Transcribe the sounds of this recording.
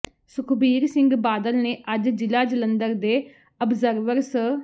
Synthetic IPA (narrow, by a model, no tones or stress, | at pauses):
sʊkʰbiːɾsɪ̃ŋɡbaːd̪əlneːʔəd͡ʒd͡ʒɪlaːd͡ʒələnd̪əɾd̪eː | əbzəɾʋəɾs